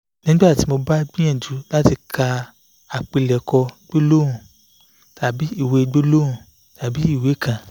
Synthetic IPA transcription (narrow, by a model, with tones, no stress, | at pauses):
nĩ˦ɡ͡ba˦˨ti˨˦mo˧ba˦ɡ͡bĩ˦ɛ̃˦˨d͡ʒu˨˦la˦ti˧kʰa˧ | a˨k͡pi˧lɛ˨kɔ˧ɡ͡be˦lo˦ũ˨ | ta˨bi˨˦i˦˨we˨˦ɡ͡be˦lo˦ũ˨ | ta˨bi˨˦i˦˨we˨˦˨kã˨